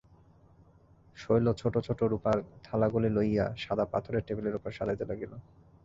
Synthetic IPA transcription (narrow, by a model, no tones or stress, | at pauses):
ʃojlot͡ɕʰoʈot͡ɕʰoʈoɾupaɾt̪ʰalaɡolilojaʃad̪apa̰t̪ʰoɾeɾʈebeleɾupoɾʃad̪ʱad͡ʑ̪elaɡilo